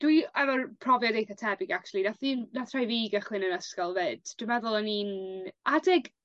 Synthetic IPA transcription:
d̥wiɛvɔnpʰrɔvjɔdejθatʰɛbɪɡak̚t͡ʃʰuwlˠinaθinnatθrajviːɡəχlɨnənəskɔlˠvɨːd̥d̥wɪmɛðʊlˠəninadɪɡ

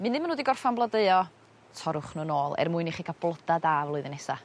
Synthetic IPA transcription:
mɨnɪmənuːdiɡɔrfanblˠɔdeɨɔ | tʰɔɾʊχnuːnoːlˠɛ̰rmʊɨniχiɡab̥lˠɔdadaːvlˠɔɨðənɛsa

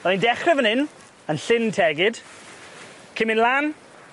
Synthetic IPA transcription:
ɔindɛχrɛvənɪn | ənɬɪntʰɛɡɪd̥ | kʰɪmɪnlˠan

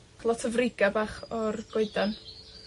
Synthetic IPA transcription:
lˠɔtʰəvrɪɡabaːχɔrɡ̥oɨdan

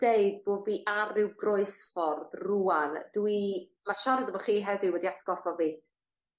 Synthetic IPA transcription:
d̥eɨd̚boːviːʔarɪwɡroɨsfɔrðruand̥wimaʃandəbɔχiːɦɛðɪwɛdiatʰɡ̥ɔfɔviː

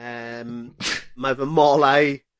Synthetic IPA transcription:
əmmavəmɔlaj

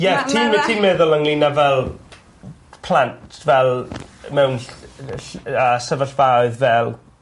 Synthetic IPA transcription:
jɛtʰiːtʰiːmɛðʊlˠəŋlˠinavɛlˠ | pʰl̥antʰvɛlˠmɛwn | əːsəvəɬvaɨðvɛlˠ

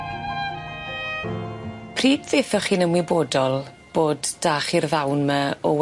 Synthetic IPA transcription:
pʰriːd̥θɪfɔχiːnəmwɪboːdɔlˠ | b̥oːdd̥aːχirðawnməɔw

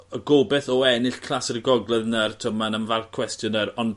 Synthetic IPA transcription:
əɡobɛθɔɛnɪɬkʰl̥asərɡɔɡlˠɛðnərtʰəmanənvarkʰw̥ɛstjɔnəɾɔn

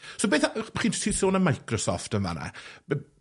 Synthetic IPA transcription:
sobeːθaχiːntʰisoːnəmajkʰrɔsɔ̰ftənva̰na̰

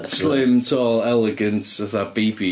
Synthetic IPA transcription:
slɪmtʰɔːlˠɛlˠɛɡəntəθab̥iːbi

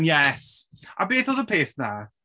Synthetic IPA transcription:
njɛsʔa̰beːθɔðəpʰeːθna

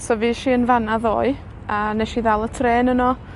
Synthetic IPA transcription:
sɔviːʃiːənvanaðo̰ːɨ | ənɛʃiðɛlˠətʰreːnənɔ

